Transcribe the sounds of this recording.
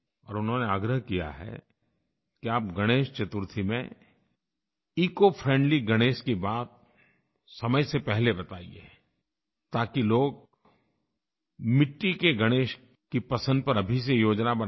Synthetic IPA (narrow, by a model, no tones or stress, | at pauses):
ɔ̰ːɾʊnɦõneaːɡɾəɦkija̰ɦɛ̰ | kiaːp̚ɡɐɽ̃eːʃt͡ʃɐt̪ʊɾt̪ʰimḛ̃ | iːkofʰɾɛ̃ɳɖliɡɐɽ̃eːʃkibaːt̪̚ | sɐməjsepɛɦlebɐt̪aːḭḛ | t̪aːkiloːɡ̚ | mɪʈːikeɡɐɽ̃eːʃ | kipɐsə̃nd̪̚pɐɾɐbʱis̬ejoːd͡ʒnabɐ